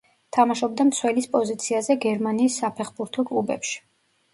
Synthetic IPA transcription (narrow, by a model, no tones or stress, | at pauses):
t̪ʰamaʃɔb̚d̪amt̪sʰwɛlispʼɔzit̪sʰiazɛɡɛɾmaniːsːapʰɛχbuɾt̪ʰɔkʼlˠubɛ̰pʃi̥